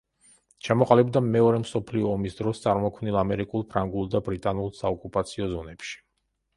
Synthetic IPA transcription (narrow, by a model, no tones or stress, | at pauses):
t͡ʃʰamɔqʼalibd̪amɛɔɾɛmsɔpʰliɔːmisd̪ɾɔst̪sʼaɾmɔkʰmnilˠamɛɾikʼulˠpʰɾaŋɡulˠd̪abɾit̪ʼanulˠsaɔkʼupʼat̪sʰiɔzɔnɛpʃi̥